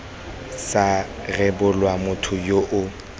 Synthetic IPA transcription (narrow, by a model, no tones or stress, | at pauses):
sa | rɛbʊlwamʊtʰʊjoʔʊ